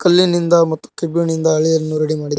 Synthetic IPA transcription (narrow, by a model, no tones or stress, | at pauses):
kɐlːinind̪ɐmɐt̪ːu̥kebjunind̪ɐːɭijɐnːuɾɐɽimaːɽid̪ɐ